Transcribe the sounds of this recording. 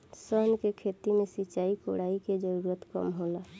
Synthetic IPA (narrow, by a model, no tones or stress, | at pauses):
səɦnkekʰet̪imẽsit͡ʃaːikoɽaiked͡ʒəɾuɾət̪kə̰mɦola